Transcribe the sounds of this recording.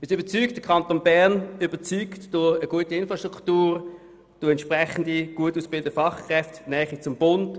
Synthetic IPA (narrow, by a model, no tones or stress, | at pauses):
ɪsybət͡syːkt̚d̥əkʰɑntonbæʁnybət͡syːktd̥ʊəɡ̥uətiɪnfʁɑʃtʁ̥uktuːʁ | d̥oɛntʃpʁɛχəndiɡ̥uətuːsb̥ɪldəfɑχkʁɛftnɛːχit͡sʊmb̥ʊnd